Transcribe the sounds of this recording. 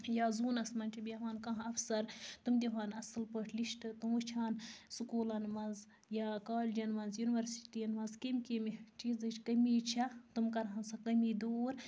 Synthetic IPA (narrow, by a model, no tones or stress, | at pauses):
jaːzuːnɐsmɐnt͡ʃʰibʲiʋaːnkɐ̃ɦɐfsɐɾt̪umd̪ʲeɦaːnɐsɨlpəʈʰliʃʈɨt̪umut͡ʃʰaːnsukuːlɐnmɐnz | jaːkaːld͡ʒɐnmɐnzjuniʋɐɾsi̥ʈijɐnmɐnzkimʲkemt͡ʃiːzɐt͡ʃʰʲkɐmiːt͡ʃʰɐt̪umkɐɾɦɐnsɐkɐmiːd̪oːɾ